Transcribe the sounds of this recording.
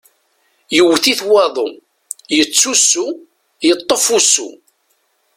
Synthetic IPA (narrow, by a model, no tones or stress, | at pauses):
jəwːθiθwɑðˤo | jət͡sːusːu | jət̪ˤːəfusːṵ